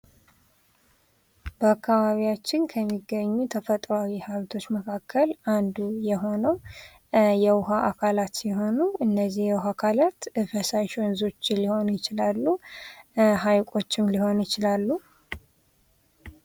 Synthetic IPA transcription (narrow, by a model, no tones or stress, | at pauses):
bəakːaβaβijat͡ʃːɪnkʰəmːiɡːəɲːut̪ʰəfət̪ʼɾawihalt̪ʰo̞t͡ʃːməkʰakʰːəland̪ujɛɦo̞nəw | jɛwʊɦaʔakʰalat̪jɛɦo̞nuɨnːəzːihjɛwʊɦakʰalat̪ɨfəsajʃənzo̞t͡ʃːɪliho̞njɪt͡ʃɪlalːu | ɦajkʼo̞t͡ʃːɪmliho̞njɪt͡ʃɪlalːu